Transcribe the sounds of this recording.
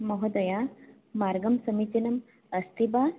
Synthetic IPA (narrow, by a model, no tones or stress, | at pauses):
mɔɦɔd̪ɐja | maɾɡəmsəmit͡ɕinəm | əst̪iba